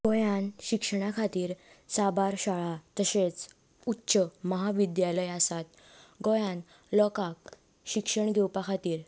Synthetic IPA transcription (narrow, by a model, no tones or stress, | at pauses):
ɡɔjanɕikʂəɽ̃akʰat̪iːɾ | sabaɾɕaɭat̪əɕet͡s | utːɕəməɦaʋid̪jaləjasat̪ | ɡɔjãn | lɔkak | ɕikʂəɳɡʱewpakʰat̪iːɾ